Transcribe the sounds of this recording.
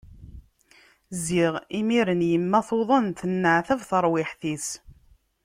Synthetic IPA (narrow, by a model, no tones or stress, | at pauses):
ziʁimiɾənjəmːæθoðˤənθənːəʕθævθəɾˤwɪħθis